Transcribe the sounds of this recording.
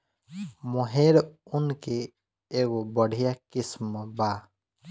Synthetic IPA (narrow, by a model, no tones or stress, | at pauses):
mɔɦeɾunkeː | ɡobɔɽʱijakismɔba